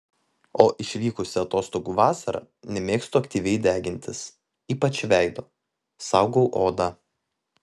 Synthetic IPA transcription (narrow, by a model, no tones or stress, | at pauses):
oːʔɪʃʲʋʲiːkʊsʲɪɐt̪oːst̪oːɡuːʋɑːsɐɾɐ̰ | nʲɛmʲeːkst̪ʊɐkʲt̪ʲiːʋʲɛɪd̪ʲæːɡʲɪnʲt̪ʲɪs | iːpɐt͡ʃʋʲæɪd̪oː | sɑˑʊɡoʊʔoːd̪ɐ